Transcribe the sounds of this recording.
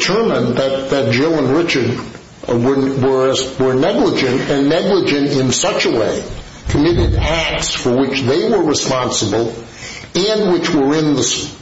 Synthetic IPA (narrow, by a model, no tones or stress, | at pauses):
tʰɜ˞mə̃nðɨt̪̚ðɨt̚d̥ʒ̥ɛlˠə̃nɹɪt͡ʃə˞d̚ | wəwə˞wə˞nɛɡləd͡ʒɨ̃ntɨ̃nːɛɡləd͡ʒɨ̃ntɪ̃nsʌt͡ʃəweɪ | kʰɨmɪɾɨɾæk̚tsfə˞wɪt͡ʃðeɪwə˞ɹɨspɑ̃nsəbl̩ˠ | ɨ̃nwɪt͡ʃwə˞ɪ̃nðəs